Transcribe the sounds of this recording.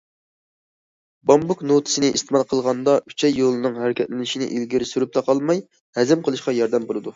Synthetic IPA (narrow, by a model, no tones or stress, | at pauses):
bɑmbuknot̪ʰɨ̥sɪnɪʔist̪ɨmɑlˠqʰəlˠʁɑnd̪ɑy̥t͡ʃʰɛjːolˠɨnɨŋɦæɾɪkʲʰɛt̪lɪnɪʃinɪ̰ʔilɡʲiɾɪsyɾyp̚t̪ʰɑqʰɑlˠmɑj | hɛzɪmqʰəlˠɨʃqɑjɑɾd̪ɛmbolˠɨd̪u